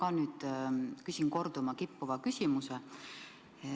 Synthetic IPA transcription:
kɑnyːd̪̥kysiŋko̞rd̪̥umɑkipːuvɑkysʲimuse

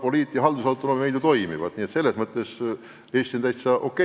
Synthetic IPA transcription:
po̞liːt̪ːˑijɑɦɑld̪usɑwt̪ooːmimejd̪ut̪o̞jmḭvɑ̰d̪̥niet̪se̞lːe̞smɤt̪ːˑe̞s | e̞ːst̪int̪æjt̪sɑʔo̞kːˑe

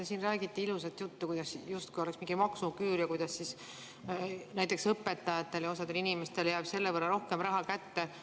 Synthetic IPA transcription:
esiːnræːɡ̥it̪ːˑiilusɑt̪ːˑjut̪ːukujd̪̥ɑsjust̪̚kujo̞leksmiŋɡ̥imɑksukyːɾjɑkujd̪̥ɑssis | næjt̪ːˑe̞ksɤpːe̞t̪ːɑjɑt̪ːˑe̞ljɑosɑd̪̥e̞linimest̪e̞ljæːb̥se̞lːevɤrːɑɾo̞hke̞mɾɑɦɑkæt̪ːe̞

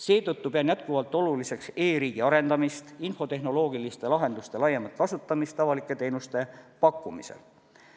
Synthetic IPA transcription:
se̞ːt̪ɤt̪ːupe̞ɑnjæt̪̚kuvɑlt̪ːˑo̞lulise̞kse̞ːɾiːɡ̥iɑɾe̞nd̪̥ɑmist̪info̞t̪e̞ɦno̞lo̞ːɡ̥ilist̪e̞lɑɦe̞nd̪ust̪e̞lɑjːemɑt̪̚kɑsut̪ːɑmist̪ːˑɑvɑlikːˑe̞t̪eːnust̪e̞pɑkːˑumisḛl

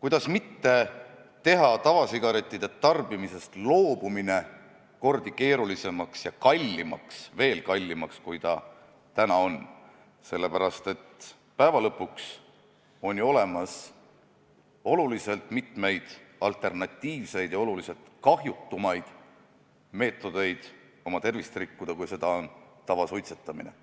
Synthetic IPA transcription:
kujd̪̥ɑsmit̪ːe̞ | t̪e̞ɦɑt̪ɑvɑsiɡ̥ɑɾe̞t̪ʲˑːid̪̥e̞t̪ɑrb̥imise̞st̪lo̞ːb̥umine̞ | ko̞rd̪̥ike̞ːɾulise̞mɑksjɑkɑlʲːimɑ̰ksve̞ːlkɑlʲːimɑkskujt̪ɑ | t̪ænɑo̞n | se̞lːe̞pæɾɑst̪e̞t̪ː | pæevɑlɤpːuks | o̞nʲo̞le̞mɑs | o̞lulise̞lt̪ˑmit̪me̞jd̪̥ɑlt̪ˑe̞rnɑt̪ʲːiːvse̞jd̪̥jɑo̞lulise̞lt̪kɑɦjut̪ːumɑjd̪̥ | me̞ːt̪ːˑo̞d̪̥e̞jd̪̥ | o̞mɑt̪e̞rvist̪rikːud̪ɑkujse̞d̪̥ɑont̪ɑvɑsujt̪se̞t̪ːˑɑmine̞̰

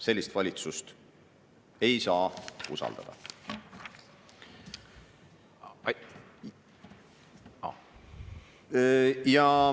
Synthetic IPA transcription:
se̞lʲːist̪vɑlʲit̪sust̪ | e̞jsɑːṵsɑ̰ld̪̥ɑ̰d̪̥ɑ̰ | ɑ̰ | jɑ

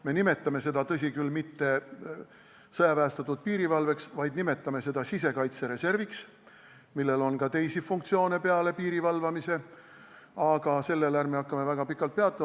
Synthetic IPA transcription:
me̞nime̞t̪ːˑɑme̞se̞d̪ɑt̪ɤ̞s̬ʲikylmit̪ːe̞ | sɤjɑpæːst̪ɑt̪ːˑud̪̚piːɾivɑlve̞ksvɑjd̪nime̞t̪ːˑɑme̞se̞d̪̥ɑsise̞kɑjt̪se̞ɾe̞se̞rviks | milːe̞lo̞nkɑt̪e̞jsifuŋkt̪sio̞ːne̞pe̞ɑle̞piːɾivɑlvɑmise̞ | ɑɡ̥ɑse̞lːelæɾrmeɑkːɑme̞væɡ̥ɑpikːˑɑlt̪̚peɑt̪ːˑɑ

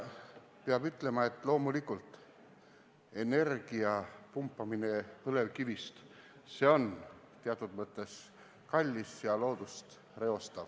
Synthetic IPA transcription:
peɑb̥yt̪ˑle̞mɑe̞t̪ːˑlo̞ːmulikːˑult̪ˑ | e̞ne̞rɡ̥iɑpumpˑːɑmine̞pɤle̞vkivist̪ | se̞o̞n | t̪eɑt̪ːˑud̪̥mɤt̪ːˑe̞s | kɑlʲːisjɑlo̞ːd̪̥ust̪ | re̞o̞st̪ɑv̥

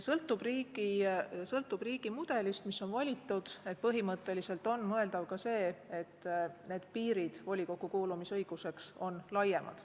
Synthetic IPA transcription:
sɤlt̪ːˑub̥riːɡ̥isɤlt̪ːˑub̥riːɡ̥imud̪̥e̞list̪misːo̞nvɑlʲit̪ːˑud̪̥e̞t̪̚pɤɦimɤt̪ːˑe̞lise̞lt̪ˑo̞nmɤe̞ld̪ɑvkɑse̞ːe̞t̪ːne̞ːd̪̥piːɾid̪̥vo̞lʲikokːˑukuːlumisɤ̞jɡ̥use̞kso̞nlɑjːe̞mʔɑ̰d̪̥

